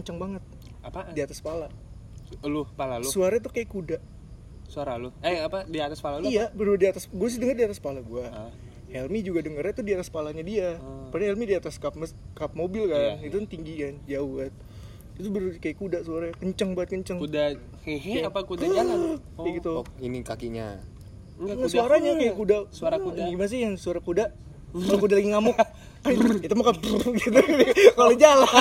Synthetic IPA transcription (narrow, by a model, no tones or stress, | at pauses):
kɲt͡ʃəŋbaŋət̪̚ | apadiat̪aspala | lʊpalalʊsuaɾat̪̬ukajakudaʔ | suaɾalʊɛapadiat̪aspalalijabəɾurdiat̪asɡuas̬ɪdəŋərdiat̪aspalaɡua | hɛlmid͡ʒuɡadəŋərat̪udiat̪aspalaɲadiapadahɛlmidiat̪askap̚məskap̚mobɪlkanit̪unt̪iŋɡikand͡ʒauat̪̚ | it̪ubəɾukajakudaʔsuaɾakəɲt͡ʃəŋbat̪̚kəɲt͡ʃəŋuda | aakudad͡ʒala | ɡit̪uinikakiɲa̰ | ŋasuaɾaɲakajaʔkudasaɾauɡimanas̬ijaŋsuaɾakudaʔ | lakudalaɡiŋamʊʔ | kait̪umakanpɡit̪ukalod͡ʒala